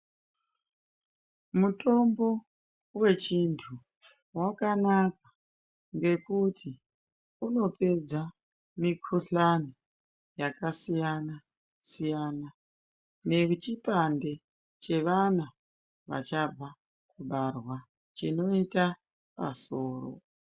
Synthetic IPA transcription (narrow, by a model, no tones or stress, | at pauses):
muto̞mbo̞ | we̞t͡ʃintʰu | wakanakḁ | ŋɡe̞kutʰi | uno̞pʰe̞d͡za | mikʰuɬani | jakasijana | sijana | ne̞ut͡ʃipande̞ | t͡ʃe̞ʋana | ʋa̰t͡ʃab͡va | kuɓarwa | t͡ʃino̞ita | pa̰so̞ːro̰